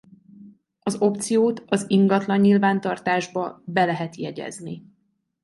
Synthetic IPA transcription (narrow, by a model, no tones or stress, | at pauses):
ɒzo̞p̚t̪sijoːt̪ɒziŋɡɒt̪lɒɲɲilvaːnt̪ɒrt̪aːʒbɒbɛlɛɦɛt̪jɛɟɛ̰zni